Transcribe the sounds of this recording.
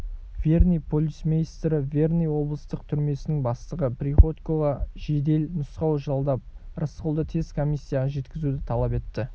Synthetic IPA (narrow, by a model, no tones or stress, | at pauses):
vʲe̞rnijpʰolʲismejst̪ɾɪvʲe̞rnijwo̞blˠəst̪əqt̪ʰʏɾme̞sɪnɪŋbɑst̪əʁəpɾiχo̞t̪ko̞ʁɑʒe̞d̪e̞lnʊsqɑwʒɑlˠd̪ɑp̚ɾəsqəlˠd̪ət̪ʰe̞zkʰo̞mijsʲːijaʁɑʒe̞t̪kʲɪzud̪ɪt̪ʰɑlˠɑpe̞t̪ːɪ